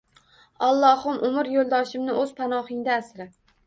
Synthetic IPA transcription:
ɑlˠːɒhʊmʔʊmɪɾjolˠd̪ɒʃɪmnɪʔɵz̥pʰanɒhɪŋd̪aːsɾɪ

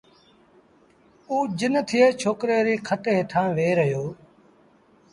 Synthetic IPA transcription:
uːd͡ʒɪnt̪ʰɪjeːt͡ʃʰoːkɾeːɾiːkʰəʈeːt̪ʰãːʋeːɾəɦjoː

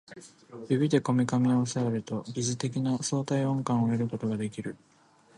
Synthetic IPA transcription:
bʲibʲid̪e̞ko̞mʲikamʲiaaseaɾɯ̟t̪o̞ɡʲiʑit̪e̞k̬ʲinaso̞ːt̪aiõ̞ŋkãɰ̃o̞eɾɯ̟ko̞t̪o̞ɡad̪e̞kʲiɾɯ̟

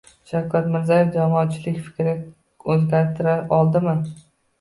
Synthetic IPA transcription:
ʃawkʰʲat̪mɪɾzajɪfd͡ʒamɒːt̪t͡ʃʰɪlɪkʲfɪ̥kʲɾɪ | ɵzɡʲaɾt̪ʰɪɾaɾɒlˠd̪ɪmɪ

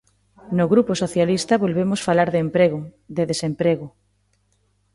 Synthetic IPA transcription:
noɣɾuposoθjalist̪ɐβolβemʊsfalaɾðeempɾeɣʊ | ðeðesempɾeɣʊ

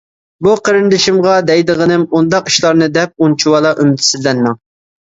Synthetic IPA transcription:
buqʰəɾɪnd̪ɪʃimʁɑd̪ɛjd̪əʁənɪmund̪ɑqi̥ʃlˠɑɾnɨd̪ɛp̚unt͡ʃʰuwɑlˠɑʔymt̪ʰsɪzlɛnmɪŋ

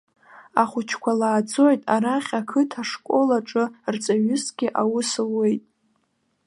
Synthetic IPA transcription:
aχʷʊt͡ʃʰkʷʰalaːd͡zo̞jtʼaɾaχʲakʰɨtʰaʂkʷʼo̞laʈ͡ʂʼɨrt͡sʼaɥɪsɡ̥ʲɪʔawʊsɨle̞jtʼ

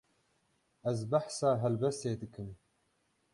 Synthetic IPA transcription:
ɛzbaħsaːɦɛlbɛst̪eːd̪ɨkʰɨm

